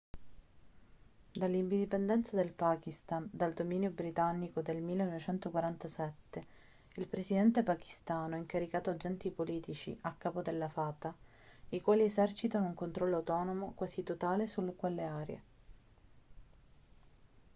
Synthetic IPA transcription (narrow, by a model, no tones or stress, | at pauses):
d̪alːind̪id̪ipend̪ɛnt̪sad̪elpaːkist̪and̪ald̪omiːnjobɾit̪anːikod̪elmilːenɔvet͡ʃɛnt̪okwaɾant̪asɛt̪ːe | ilpɾesid̪ɛnt̪epaki̥st̪aːnoɛiŋkaɾikaːt̪oad͡ʒɛnt̪ipoliːt̪it͡ʃḭʔakːaːpod̪elːafaːt̪a | ikwaːliezɛrt͡ʃit̪anouŋkont̪ɾɔlːoawt̪ɔːnomokwaːsit̪ot̪aːlesulːkwelːeaːɾjḛ